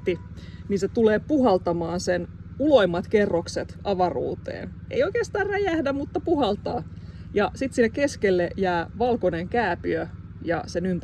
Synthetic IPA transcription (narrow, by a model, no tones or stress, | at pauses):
t̪i | niːnset̪uleːpuɦɑlt̪ɑmɑːnsen | ulo̞imːɑt̪kerːokset̪ɑʋɑrṵːt̪ḛːnʔḛijoijkeːst̪ɑːrræjæhdæmut̪ːɑpuhɑlt̪ɑː | jɑsit̪sinːekːeskelːejæːʋɑlkoneŋkæːpyø | jɑ̰senynt̪